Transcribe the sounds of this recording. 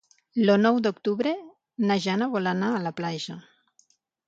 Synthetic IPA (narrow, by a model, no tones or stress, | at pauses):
lonɔwd̪ukt̪uβɾe | naʒanaβɔlanaːlaplaʒa